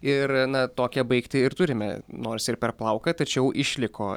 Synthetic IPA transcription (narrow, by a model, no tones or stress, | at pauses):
ɪrnɐt̪oːkʲɛbɐɪkt̪ʲɪɪɾt̪ʊɾʲɪmʲɛ̰noːɾʲsɪrpʲɛrplˠɐʊkɐt̪ɐt͡ʃʲɛʊʔɪʃʲlʲɪkʰoː